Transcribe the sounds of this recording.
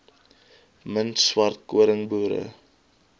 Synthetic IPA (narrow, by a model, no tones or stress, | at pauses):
məntswɐrt̚kuəɾəŋbuːɾə̰